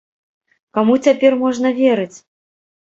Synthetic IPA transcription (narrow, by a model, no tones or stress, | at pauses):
kamut͡sʲapʲɛrmɔʐnɐvʲeɾɨt͡sʲ